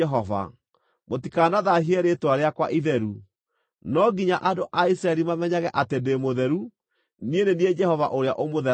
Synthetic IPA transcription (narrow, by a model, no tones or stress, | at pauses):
ɛɦɔva̰ | motikanaðaɦiɛɾetwaɾeakwa̰ʔiðɛɾu | nɔɡiɲaʔadoʔaisɾaɛɾimamɛɲaɣɛʔatendemoðɛɾu | nienenied͡ʒɛhɔva̰ʔoɾea̰ʔomoðɛ